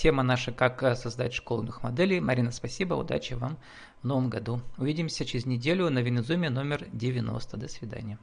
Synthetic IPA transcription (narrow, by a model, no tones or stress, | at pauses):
tʲemənaʂəkaksɐzd̪atʲʂkolˠnɨxmɐd̪ɛlʲɪjmɐɾʲinəspɐsʲibə̰ʊ̰d̪a̰t͡ɕɪva̰m | vno̞vəmɡɐd̪uʊvʲidʲɪmsʲət͡ɕɪɾʲɪzʲnʲɪdʲelʲʊnəvʲɪnʲɪzumʲɪno̞mʲɪrdʲɪvʲɪno̞̰st̪əd̪əsvʲɪd̪a̰nʲɪjə